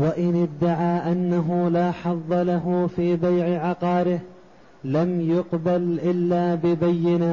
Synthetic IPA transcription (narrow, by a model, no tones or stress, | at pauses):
waʔɪnɪd̪ːaʕaːʔanːaɦʊlaːħɑðˤːɑlaɦʊfiːbajʕɪʕɑqɑːɾɪh | lamjʊqbalʔɪlːaːbɪbajːɪna